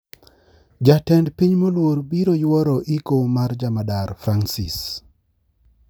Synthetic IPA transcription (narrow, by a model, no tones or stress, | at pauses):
d͡ʒatɛndpiɲmolwoɾbiɾojwɔɾɔʔikomaɾd͡ʒamadaɾfɾansḭs